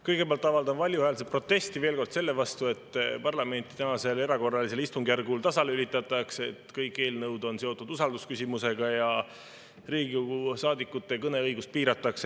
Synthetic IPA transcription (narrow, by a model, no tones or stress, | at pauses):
kɤjɡ̥e̞peɑlt̪ːˑɑvɑld̪ɑmvɑlʲjuhæːlset̪̚pro̞t̪ːe̞st̪ive̞ːlko̞rd̪se̞lːe̞vɑst̪ue̞t̪ːˑpɑrlɑme̞nʲt̪ˑi̥t̪ænɑse̞le̞ɾɑko̞rːɑlis̬e̞list̪uŋɡ̥jærɡult̪ɑsɑleylit̪ːˑɑt̪ːˑɑkse̞t̪kɤjkːˑe̞ːlnɤwd̪o̞nse̞o̞t̪ːˑud̪̥usɑld̪uskysʲimuse̞ɡ̥ɑjɑ | riːɡuusɑːd̪ikːˑut̪ːe̞kɤne̞ɤjɡust̪̚piːɾɑt̪ːˑɑks